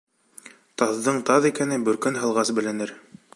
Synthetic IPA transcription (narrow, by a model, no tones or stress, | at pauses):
t̪ɑðːɤɴt̪ɑðikænɘbɵ̆ɾkɘnɦɤ̆lˠʁɑsbɘ̆lɘ̆nɘɾ